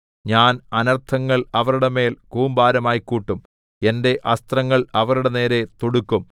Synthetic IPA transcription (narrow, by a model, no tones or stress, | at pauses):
ɲaːnɐnɐrt̪ʰɐŋːɐɭɐʋɐɾuɽeme̞ːlkuːmbaːɾɐmaːjkːuːʈːum | e̞nde̞ʔɐst̪rɐŋːɐɭɐʋɐruɽene̞ːɾe̞t̪oɽukːum